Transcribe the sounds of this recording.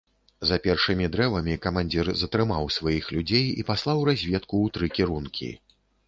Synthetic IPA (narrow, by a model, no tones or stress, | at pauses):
zɐapʲɛrʂɨmʲid̪ɾɛvɐmʲikɐmanʲd͡zʲirzɐt̪ɾɨmawsvajixlʲud͡zʲejḭpaslˠawɾazʲvʲɛt̪kuːt̪ɾɨkʲiɾunkʲʰḭ